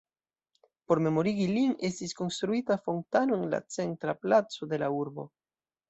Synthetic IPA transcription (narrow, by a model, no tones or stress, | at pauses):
po̞ɾme̞mo̞ɾiɡiliŋest̪isko̞nst̪ɾuit̪afont̪anoeŋla̰t͡sent̪ɾaplat͡soðe̞lauɾbo̞̰